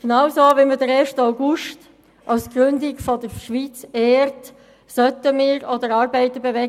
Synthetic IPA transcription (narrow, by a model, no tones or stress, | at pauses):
ɡ̥nɑwsoːvimədəɾeːʃtaʊɡʊʃt | ʔɑʊsɡ̥ɾʏndɪɡfɔdəɾʃʋit͡seːɾt | sœtəmɪːɾodəɾɑːɾbɛɪt̪əbevɛ